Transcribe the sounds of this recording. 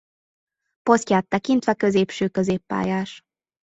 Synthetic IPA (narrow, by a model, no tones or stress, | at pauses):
po̞scʲaːt̪ːɛkint̪ʋɛkø̞zeːpʃøːkøzeːpːa̰ːjaːʃ